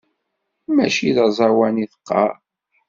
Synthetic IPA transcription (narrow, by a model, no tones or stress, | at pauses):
mæʃiðɑzˤɑwæniθə̥qːɑ̰